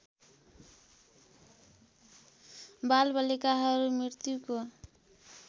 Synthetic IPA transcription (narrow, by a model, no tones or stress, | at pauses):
balbʌlikaɦʌɾumɾiɾt̪juko